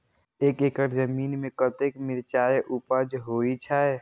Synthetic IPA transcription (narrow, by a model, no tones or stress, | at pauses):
eːkeːkəɾzəmiːnmẽkət̪ekmɪɾt͡ʃaːeʔupəd͡ʒɦoːit͡ʃʰae